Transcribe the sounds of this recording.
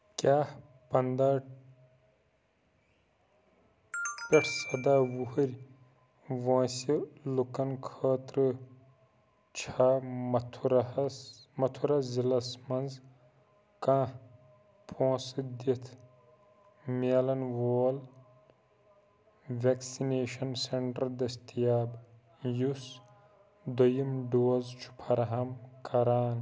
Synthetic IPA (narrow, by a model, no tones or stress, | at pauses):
kʲaːh | pɐnd̪aː | peʈʰsɐd̪aːwuɦuɾʲ | ʋõːsilukɐnkʰəːt̪ɾɨ | t͡ʃʰaːt̪ʰɾ | mɐt̪ʰuɾɐzilɐsmɐnz | kã | pʰõːsɨd̪it̪ʰ | meːlɐnʋoːl | ʋeksineːʃɐnseɳʈɐɾd̪ɐst̪ijaːb | jus | d̪ojɐmɖoːzt͡ʃʰu̥pʰɐɾɐɦɐmkɐɾaːn